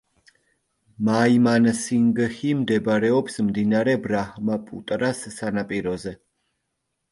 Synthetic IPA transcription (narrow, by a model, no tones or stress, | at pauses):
maimansiŋɡhimd̪ɛbɾɛɔpsmd̪inaɾɛbɾahmapʼṵt̪ʼɾasːanapʼiɾɔzɛ